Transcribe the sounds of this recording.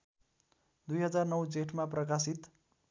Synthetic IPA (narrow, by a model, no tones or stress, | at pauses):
d̪ujɦʌd͡zarnʌwd͡zeʈmaprʌkasit̪